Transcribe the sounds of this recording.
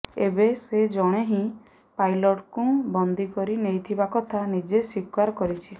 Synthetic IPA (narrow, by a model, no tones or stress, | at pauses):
ebesed͡ʒɔɽ̃eɦĩ | pajlɔʈkũbɔnd̪ʱikɔɾinejt̪ʰibakɔt̪ʰanid͡ʒesikwaɾkɔɾit͡ʃʰi